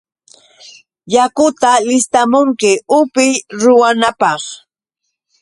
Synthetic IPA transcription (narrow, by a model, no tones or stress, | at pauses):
jakʊt̪alɪst̪amʊŋkɪʊpɪjɾʊwanapɑχ